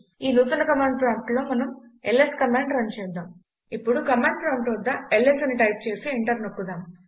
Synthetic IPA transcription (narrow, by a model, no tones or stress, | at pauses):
iːnuːt̪unɐkɐmaːɳɖplaːŋʈlo̞ːmɐnɐmeleskɐmaːɳɖɾɐnt͡ʃɛːd̪aːm | ipːuɽukɐmaːɳɖɾɐɳʈoːd̪ːɐelːesɐniʈɐjp̚t͡ʃe̞ːsiiɳʈɐɾnokːud̪aːm